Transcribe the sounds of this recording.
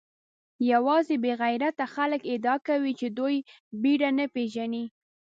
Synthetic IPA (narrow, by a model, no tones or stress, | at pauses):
jawɑzebeɣajɾat̪axaləked̪ɑkawit͡ʃed̪oj | biɖanəpeʒani